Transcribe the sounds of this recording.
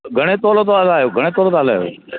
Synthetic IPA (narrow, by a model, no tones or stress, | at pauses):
ɡʱəɽ̃eːt̪oːloːt̪oəlaːjoːɡʱəɽ̃eːt̪oːloːt̪oəlaaːjo̰ː